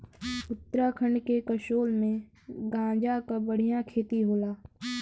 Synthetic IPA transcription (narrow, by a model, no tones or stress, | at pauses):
ʊt̪ːɾakʰəɳɖkekəʃoːlmẽ | ɡãːd͡ʒakabəɽ̤ijãkʰeːt̪iɦoːlaː